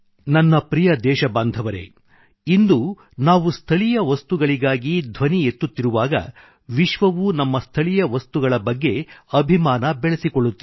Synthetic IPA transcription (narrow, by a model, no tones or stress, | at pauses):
nɐnːɐpɾijɐd̪ɛːʃɐbaːnd̪ʱɐʋɐɾe̞̰ | ind̪u | naːʋust̪ʰɐɭijɐʋɐst̪uɡɐɭiɡaːɡid̪ʱʋɐnie̞t̪ːut̪ːiɾuʋaːɡɐ̰ | ʋiʃʋɐʋunɐmːɐst̪ʰɐɭijɐʋɐst̪uɡɐɭɐbɐɡːe̞ɐbʱimaːnɐbɛɭesikoɭːut̪ːi